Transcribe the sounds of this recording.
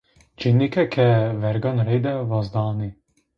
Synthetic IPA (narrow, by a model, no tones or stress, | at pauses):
d͡ʒinikɛkʰɛvɛɾɡɔnɾɛjd̪ɛvazd̪ɑːni